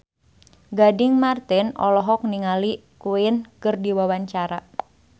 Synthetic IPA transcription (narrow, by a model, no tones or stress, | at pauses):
ɡadɪŋmart̪ɪnɔ̰lɔɦɔk̚niŋali | kuɪnkɨrdiwawaɲt͡ʃaɾa